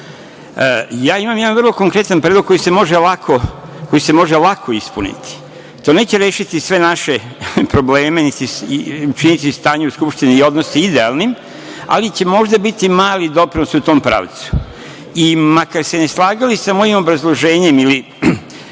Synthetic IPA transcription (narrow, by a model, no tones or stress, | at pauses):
jaːimamjd̪anʋrlˠo̞ko̞ŋkɾe̞t̪anpɾed̪loɡko̞jise̞mo̞ʒelakʰo̞ko̞jise̞mo̞ʒe̞lakʰo̞ispunḭt̪i̥ | t̪o̞ːneːt͡ɕe̞ɾe̞ːʃit̪isʋe̞naʃe̞pɾo̞bleːme̞nit̪iut͡ʃinit̪ist̪aːɲeuskupʃt̪iniːo̞d̪noseid̪eaːlˠnim | a̰lit͡ɕe̞mo̞ʒd̪abit̪imaːlid̪o̞pɾinosut̪o̞ːmpɾa̰ːʋt̪su̥ | imakaɾsene̞slˠaːɡalisamo̞jimo̞bɾazlˠo̞ʒe̞ːɲe̞mili